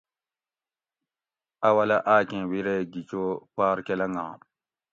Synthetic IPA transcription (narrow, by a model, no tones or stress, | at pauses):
awalaʔakẽwiɾeɡit͡ʃokaːɾkɛlaŋɡã̰